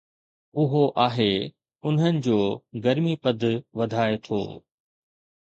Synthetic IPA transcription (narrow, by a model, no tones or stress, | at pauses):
ʊɦoʔaːɦe | ʊn̤ənɪ̆d͡ʑoːɡɐɾmipɐd̪ʱʋɐd̪ʱaːet̪ʰo̰ː